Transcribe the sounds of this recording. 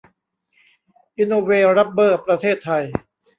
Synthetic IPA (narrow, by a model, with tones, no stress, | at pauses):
ʔi˧noː˧weː˧ɾa˦˥p̚bɤː˥˩pɾa˧t̪ʰeː˥˩t̪ʰːa˧j